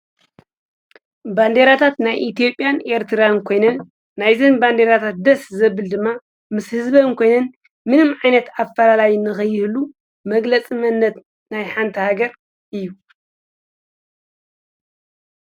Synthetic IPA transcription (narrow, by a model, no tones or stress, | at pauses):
band̪eɾat̪ʰat̪najʔit̪ʰijo̞pʼjane̞ɾt̪ʰɨɾankʰo̞jnɐnː | ajzɨnband̪eɾat̪ʰat̪̚d̪ɐszɐβːɨld̪ɨmːa | mɨshɨzbɐnkʰo̞jnɐn | mɨnɨmʕajnɐt̪afɐlalajnɨxɐjɪhlu | mɐɡlɐt͡sʼimɐnːɐt̪ | najħant̪ʰihaɡɐɾ | ʔɨjːu